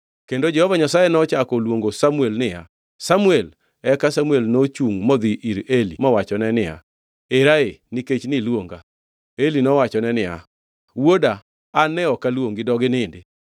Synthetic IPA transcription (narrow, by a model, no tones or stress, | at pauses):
kendod͡ʒɛhɔvaɲasajenɔt͡ʃakɔlwoŋɡosamuelnɪja | samuel | ɛkasamuelnot͡ʃuŋmɔd̪iʔiɾelimɔwat͡ʃɔnɛnɪja̰ | eɾaeniket͡ʃnɪlwoŋɡa̰ | elinɔwat͡ʃɔnɛnɪja̰ | wodaː | nɛɔkalwoŋɡɪdɔɡɪnɪndɪ